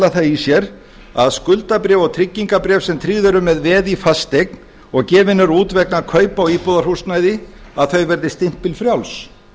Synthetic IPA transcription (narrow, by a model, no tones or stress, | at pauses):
laθajisjɛɾ | aðskʏlt̪apɾɛːvɔɣt̪ʰɾɪcːiŋkapɾɛːvsɛmt̪ʰɾiðœɾʏmɛðvɛːðifast̪ek̚n | ɔɣcɛːvɪnʏɾuːt̪vɛknakʰœːɥpawiːpɔðaɾ̥husnajðɪ | aðθœɥvɛɾðɪst̪ɪm̥pɪlfɾjawls